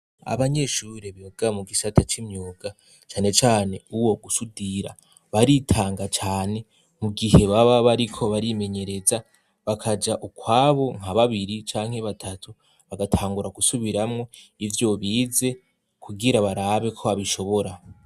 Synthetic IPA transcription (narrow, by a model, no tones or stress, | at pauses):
a̰βaɲe̞ʃuɾeβioɡamuɡisatʰat͡ʃimɲuːɡa | t͡ʃaːne̞t͡ʃaːne̞uwo̞ɡusudiɾa̰ | βaɾitʰaːŋɡat͡ʃaːne̞ | muɡihe̞βaβaβaɾikʰo̞βaɾime̞ɲe̞ɾe̞za | βakʰad͡ʒaʔukwaːβo̞ŋ̥haβaβiɾit͡ʃaːŋ̥he̞βatʰatʰu | βaɡatʰaːŋɡuɾaɡusuβiɾamŋo̞ivjo̞βiːze̞ | kʰuɡiɾaβaɾaβe̞kʰo̞βaβiʃo̞βo̞ɾa